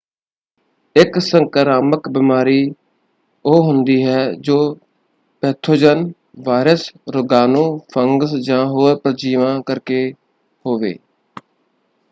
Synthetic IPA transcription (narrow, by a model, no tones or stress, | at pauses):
ɪksəŋkəɾaːməkbɪmaːɾiː | oːɦʊnd̪iːɦɛːd͡ʒoː | pɛːt̪ʰoːd͡ʒən | ʋaːɾəsɾʊɡaːnõːpʰəŋɡsd͡ʒãːɦoːɾpɾəd͡ʒiːʋãːkəɾkeː | hoːʋḛː